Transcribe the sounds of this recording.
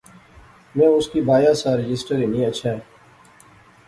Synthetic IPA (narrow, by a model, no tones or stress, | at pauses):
mɛ̃ːʊskiːbaːjaːsãːɾɪd͡ʒɪsʈəɾiːnĩːəʃʰaːe